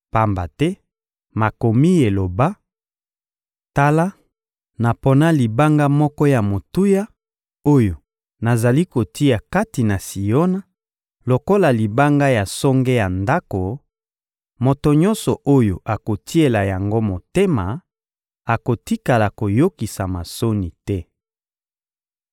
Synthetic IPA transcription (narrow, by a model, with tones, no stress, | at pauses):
pa˦mba̰˨tɛ˦ | ma˨ko˨mi˦e˨lo˨ba˦ | ta˦la˦ | na˨po˦na˦li˨ba˦ŋɡa˦mɔ˦kɔ˦ja˨mo˨tu˦ja˦ | o˦jo˨ | na˨za˨li˦ko˨tʰi˦a˨ka˦ti˨na˨si˨jo˦na˦ | lo˨ko˦la˨li˨ba˦ŋɡa˦ja˨sɔ˦ŋɡe˦ja˨nda˦ko˨ | mo˨to˨ɲɔ̃˦nsɔ˨ʔo˦jo˨ʔa˨ko˨ti˦e˨la˨ja˨ŋɡo˦mo˨te˦ma˨ | a˨ko˨ti˦ka˨la˨ko˨jo˦ki˨sa˨ma˨so˦ni˨tɛ˦